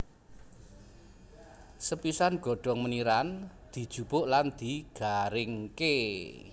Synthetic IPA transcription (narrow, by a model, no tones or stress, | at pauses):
səpisanɡ̥ɔ̤ɖ̥ɔ̤ŋməniɾan | d̪̥i̤d̥ʒ̥ṳb̥ʊʔland̪̥i̤ɡ̥aɾɪŋke